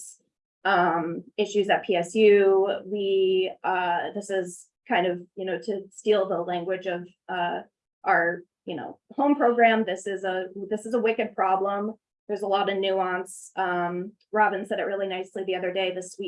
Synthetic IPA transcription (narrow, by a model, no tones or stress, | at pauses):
ʌ̃mɪʃʉzɨt̚pʰiɛsjʉwiʌðɪsɪz̥ | kʰãɪ̃ndʌv̥jɨnoʊɾɨstilˠðəlæ̃ŋɡwɨd͡ʒʌv | ʌ | ʔə˞ | jɨno̰ʊhõʊ̃mpʰɹ̥oʊɡɹæ̃mðɪsɪzəðɪsɨzəwɪkɨd̚pʰɹ̥ɑblə̃m | ðə˞zəlɔɾʌnʉɑ̃nsʔʌ̃m | ɹɑbɨ̃nsɛɾɨʔ̚ɹɪlˠinaɪsliðiʌðə˞deɪðɪswi